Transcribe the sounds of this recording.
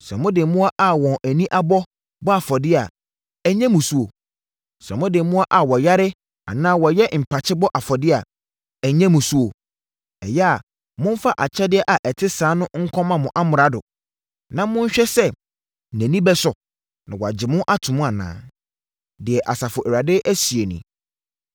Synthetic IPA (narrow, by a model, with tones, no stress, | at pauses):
sɾɛ˨mʊ̃˦dɪ˨mũ˦a˦ʔa˨wɔ̃˨nʔæ˨nĩ˦ʔa˦bɔ˦ | bɔ˦a˨fɔ˨dɪ˦a˨ | ɛ˨ɲɛ̃˦mʊ̃˨su˦o˨ | sɛ̃˨mʊ̃˦dɪ˨mũ˦a˦ʔa˨wɔ˨ja˦ɾɪ˦ | a̰˨nãː˦wɔ˨jɛ˦m̩˨pʰa˨t͡ɕʰɪ˦bɔ˦ʔa˨fɔ˨dɪ˦a˨ | æ˨ɲɛ̃˦mʊ̃˨su˦o˨ | ɛ˨jɛ˦a˨ | mʊ̃˦n˦fa˦ʔa˨t͡ɕʰɛ˦dɪ˦ɛ˦ʔa˨ʔɛ˨tʰɪ˦sãː˨˦nʊ̃˦ŋ̩˦kʰɔ̃˦mã˨mʊ̃˨ʔa˦mʊ˨ɾa˦dʊ˨ | nã˦mʊ̃˦ɲ̩˦ɕᶣɛ˦sɛ˦˨ | næ̃˨nĩ˦bɛ˦sʊ˨ | nã̰˨wa˨d͡ʑɪ˨mʊ̃˦ʔa˦tʰʊ̃˨mʊ̃˦a˨nã̰ː˨˦ | dɪ˨ɛ˨ʔa˨sa˨fʊ˨ʔɛ˨a˨dɪ˦ʔæ˦si˨e˨nḭ̃˨